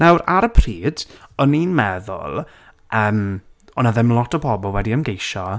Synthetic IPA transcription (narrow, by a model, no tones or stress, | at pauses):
nawɾaɾəpʰriːd̥ɔninmɛðʊ̰lˠ | ʔəːmɔnaðɪmlˠɔtʰɔbʰɔbɔlˠwɛdiəmɡejʃɔ